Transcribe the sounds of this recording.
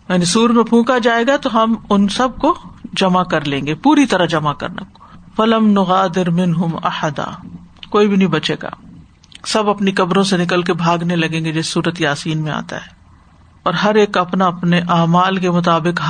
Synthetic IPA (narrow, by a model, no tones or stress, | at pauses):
jɛːnisuːɾmẽpʰũːkad͡ʒaːeːɡat̪oɦɐmʊnsɐb̚kod͡ʒɐmakɐɾlẽːŋɡepuːɾit̪ɐɾəɦd͡ʒɐmakɐ̰ɾna̰fɐlɐmnʊɣaːd̪ɪɾmɪ̃nɦʊmɐ̰ħəd̪a̰ːkoːibʱinɐɦĩbɐt͡ʃeːɡa̰ː | sɐbɐpnikɐbɾõsenɪkəlk̬ebʱaːɡnelɐɡẽːŋɡed͡ʒeːssuːɾət̪iaːsiːnmẽa̰ːt̪a̰ɦɛː | ɔːɾɦɐɾeːkɐpnaɐpneʔaːmaːlk̬emʊt̪aːbɪkɦ